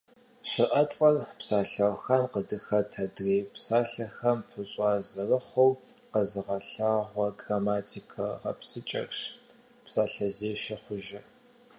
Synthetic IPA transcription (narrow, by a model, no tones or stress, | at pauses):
ɕɪʔɐt͡sʼɐrpsaːɬɐwxɐmqədɨxɐtʰɐdreːpsaːɬɐxɐmpʰɨɕʼɑːzɐrɨχʷow | qɐzɨʁɐɬaːʁʷɔɡraːmaːtʰikʰɐʁɐ̰psɨt͡ʃʼɐ̰rʂ | psaːɬɐzeːʃɪχʷʊʒɪ